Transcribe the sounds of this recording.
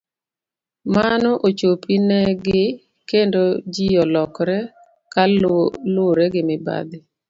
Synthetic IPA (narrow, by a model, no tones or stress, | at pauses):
manɔʔot͡ʃopinɛɡɪ | kendod͡ʒijɔlɔkɾɛ | kalʊɾɛɡɪmɪba̰d̪ɪ